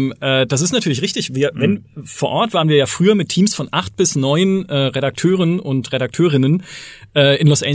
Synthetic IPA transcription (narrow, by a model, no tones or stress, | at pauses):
mʔɛːd̥as̬ɪstnatʰyːɐlɪçʁɪçtɪçviːɐvɛnfoːɐʔɔɐtv̥aːɐənviɐjaːfʁ̥yːɐmɪtʰiːmsfɔnʔaχt̚b̥ɪsnɔʏənʔɛːʁeɾak̚tʰøːʁənʔʊntʁeɾak̚tʰøːʁ̞ɪnənʔɛːɪnlɔsʔɛː